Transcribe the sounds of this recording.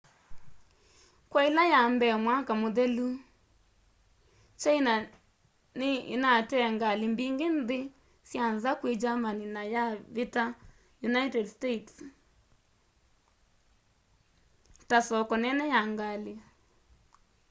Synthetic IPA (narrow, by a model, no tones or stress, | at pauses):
kwailajambɛmwakamoðɛlu | t͡ʃaina | nɪḭnatɛŋɡalimbiŋɡenðɪ | sjanzakwed͡ʒamaninajaβita | junaitɛdstets | tasɔkɔnɛnɛjaŋɡale